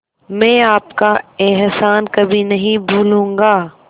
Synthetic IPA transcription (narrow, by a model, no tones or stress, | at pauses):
mɛ̃ːaːpkaeɦsaːnkɐbʱinɐɦĩbʱuːlũːŋɡaː